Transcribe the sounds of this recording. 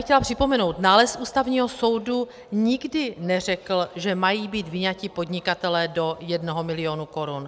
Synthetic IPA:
xcɛlapr̝̥ɪpo̞mɛno̞wt̪naːlɛsʔuːst̪avɲiːɦo̞so̞wdu | ɲɪɡdɪnɛr̝ɛkl̩ʒɛmajiːbiːt̪vɪɲacɪpo̞dɲɪkat̪ɛlɛːdo̞jɛdnoɦomɪlɪo̞ːnuko̞ɾun

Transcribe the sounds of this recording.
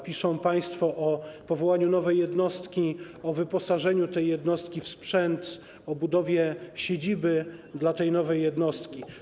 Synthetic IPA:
pʲiʂɔ̃w̃paj̃st̪fɔʔɔpɔvɔwaɲunɔvɛjːɛd̪nɔst̪kʲi | ɔvɘpɔsaʐɛɲut̪ɛjːɛd̪nɔst̪kʲifspʂɛnt̪ | ɔbud̪ɔvʲjɛɕed͡ʑibɘd̪lat̪ɛjnɔvɛjːɛd̪nɔst̪kʲi

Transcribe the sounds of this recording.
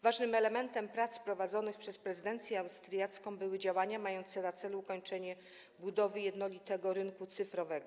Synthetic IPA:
vaʐnɘmɛlɛmɛnt̪ɛmpɾat̪spɾɔvad̪zɔnɘxpʂɛspɾɛzɘd̪ɛnt̪sʲjɛawst̪ɾjat̪skɔ̃w̃bɘwɘd͡ʑawaɲamajɔnt̪sɛnat̪sɛlukɔɲt͡ʂɛɲɛ | bud̪ɔvɘjɛd̪nɔlʲit̪ɛɡɔɾɘŋkut̪sɘfɾɔvɛɡɔ

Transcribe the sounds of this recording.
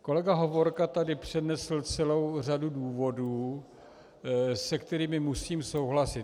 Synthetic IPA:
ko̞lɛɡaɦo̞vo̞ɾkat̪adɪpr̝̥ɛdnɛsl̩t͡sɛlo̞wr̝aduduːvo̞duː | sɛkt̪ɛɾiːmɪmusiːmso̞wɦlasɪt̪

